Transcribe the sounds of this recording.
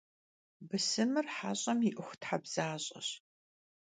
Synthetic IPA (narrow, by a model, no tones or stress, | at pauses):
bɨsɨmɨrħaːɕʼɐmiʔɨxʷtħabz̥aːɕʼɐ̰ɕ